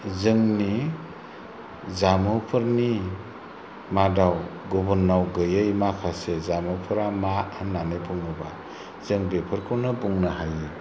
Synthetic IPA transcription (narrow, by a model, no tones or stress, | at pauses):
zɯŋni | zamɯpʰɯɾni | madawɡɔbɔnːawɡɯjɯjmakʰasezamɯpʰɯɾamaanːanejpʰuŋɯba̰ | z̥ɯŋbepʰɯɾkʰɔnɯbuŋnahajɯ